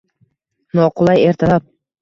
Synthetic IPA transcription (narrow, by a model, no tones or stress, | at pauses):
nɒqʰʊlˠaje̞ɾt̪ʰalap̚